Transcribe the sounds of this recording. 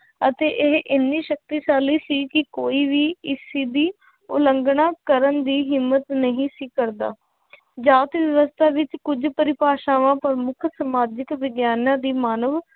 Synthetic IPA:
ət̪eːʔɪɦʔɪnːiːʃək̚t̪iːsaːliːsiːkɪkoːiːʋiːɪsiːd̪iː | ʊləŋɡɳaːkəɾənd̪iːɦɪmːət̪nəɦĩːsiːkəɾd̪a̰ː | d͡ʒaːt̪ʋəʋəst̪ʰaːʋɪt͡ʃkʊd͡ʒpəɾɪpaːʃaːʋãːpəɾmʊkʰsəmaːd͡ʒɪkʋɪɡjaːnãːd̪iːmaːnəʋ

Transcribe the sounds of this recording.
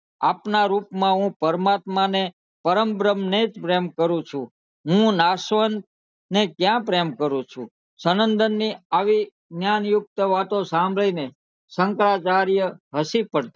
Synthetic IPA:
apnaɾupmãɦũpəɾmat̪mane | pəɾəmbɾəmned͡ʒpɾemkəɾũt͡ʃʰũ | ɦũnasʋən | nekjãpɾemkəɾũt͡ʃʰṵ̃ | sənənd̪ənːiaʋi | njanjʊk̚t̪əʋat̪õsãmbʱɭine | səŋkɾat͡ʃaɾjəɦəsipəɽt̪a

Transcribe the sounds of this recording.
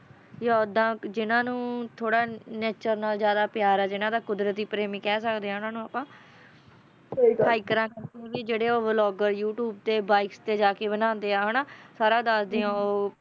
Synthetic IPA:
jod̪ãːd͡ʒɪnãːnũːt̪ʰoːɽaːneːt͡ʃəɾnaːlzjaːd̪aːpɪjaːɾɛːd͡ʒɪnãːd̪aːkʊd̪ɾət̪iːpɾeːmĩːkɛːsəkd̪eːaːɦʊnaːnũːapãː | iaːɪkəɾãːkə̃ɡid͡ʒeːɽeːoːʋlɔːɡəɾjuːʈjuːb̚t̪eːbaːɪkst̪eːd͡ʒaːkeːbənãːnd̪eːãːɦənaːsaːɾãːd̪əsd̪eːãːoː

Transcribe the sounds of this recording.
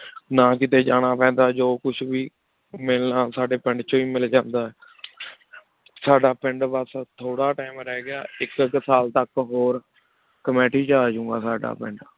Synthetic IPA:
naːkɪt̪eːd͡ʒaːɽ̃aːpɛ̃ːnd̪aːd͡ʒoːkʊt͡ʃʰʋiː | mɪlnaːsaːɖeːpɪɳɖt͡ʃːiːmɪld͡ʒãːnd̪aːɛː | saːɖaːpɪɳɖbəst̪ʰoːɽaːʈaːmɾɛːɡɪja̰ːɪkksaːlt̪əkɦoːɾ | kəmɛːʈiːt͡ʃaːd͡ʒʊ̃ːŋɡa̰ːsaːɖa̰ːpɪɳɖ

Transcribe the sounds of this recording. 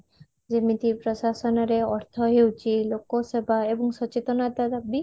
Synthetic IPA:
zemit̪ipɾɔsasɔnaɾeɔɾt̪ʰɔɦewt͡ʃʰilokosebʱaebɔŋʃɔt͡ʃet̪ɔnat̪ad̪abi

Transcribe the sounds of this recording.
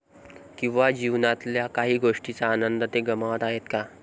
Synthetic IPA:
kĩw̃ʋad͡ʑiʋnat̪ljakaɦiːɡʱoʂʈit͡saːnənd̪ət̪eɡəmaʋət̪aɦet̪ka

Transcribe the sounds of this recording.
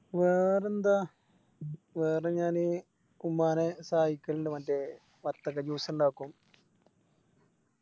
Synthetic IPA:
ʋeːrend̪a | ʋeːɾɐɲaːni | umːaːnesaːjikːɐɭɖemɐde | ʋɐt̪ːɐkːɐd͡ʒuːsɐɳɖaːkːum

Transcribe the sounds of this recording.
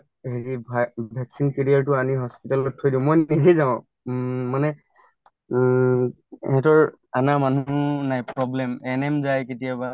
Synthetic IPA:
ɦeɹibʱabʱɛksinkeɹijaɹtʊaniɦɔspitalɔtʰːojdiʊ̃mɔjiɡizaʊ̃ | manɛ | hɛ̃tɔɹ | anamanuunajpɹɔblɛmɛnɛmzajketijaba

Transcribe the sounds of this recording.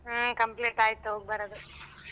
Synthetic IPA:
kɐmpleːʈaːjit̪ːuɦoːɡ̚bɐɾɐd̪u

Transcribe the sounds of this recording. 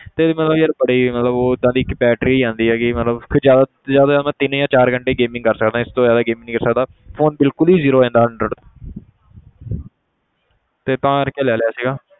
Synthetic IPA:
t̪eːmət̪ləbjəɾbəɽiːmət̪ləboːd̪ãːd̪iːɪkbɛːʈɾiːãːnd̪iːɦɛːɡiːmət̪ləbkʰzjaːd̪aː | zjaːd̪aːaːd̪aːmɛ̃ːt̪ɪnjãːt͡ʃaːɾɡəɳʈeːɡeːmɪ̃ŋɡkəɾsəkd̪ãːɪst̪õːzjaːd̪aːɡeːmɪ̃ŋːkəɾsəkd̪aː | pʰoːnbɪlkʊliːziːɾoːɛ̃ːnd̪aːɦəɳɖɾəɖt̪õː | t̪eːt̪ãːɾkːeːlɛːlɪaːsiːɡaː

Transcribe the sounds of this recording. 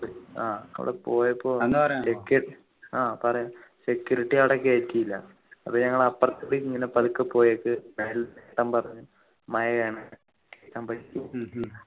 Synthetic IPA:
a̰ːʋ̰ɽepoːjɐpːo̞ːnːɐɾekːeʈː | aːpɐrɐjusekjuɾiʈːijaːʋɽekːeːtːijilːɐ | ɐpːoɲɐŋːɐɭɐpːɐrɐt̪ːuɽiiŋːɐnepɐlukːɨpːo̞ːjekːɨmeːlteːʈːɐmpɐrɐɲːu | mɐjɐkɐjɳɐ | keːt͡ɕːaːmpɐ

